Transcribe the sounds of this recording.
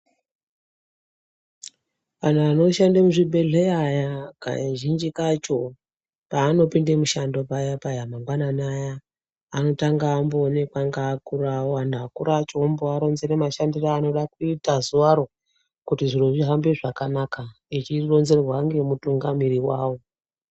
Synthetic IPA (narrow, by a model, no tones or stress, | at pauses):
ʋan̤uʋano̞ʃandamuʐibʱe̞ɮe̞ajaka̰ʒind͡ʒikat͡ʃo̞ | paːno̞pindemuʃando̞pajapajamaŋɡwananajaː | no̞taŋɡaːmboːnekwaŋɡaːkuɾawoandaakuɾat͡ʃomboaɾo̞nzenemaʃandiraːno̞ɗakuitazuʋaɾo̞ | kutiʐino̞ʐiɦambeʐakanaka | it͡ʃiro̞nze̞rrwaŋɡe̞mutuŋɡamiɾiwaːwo̞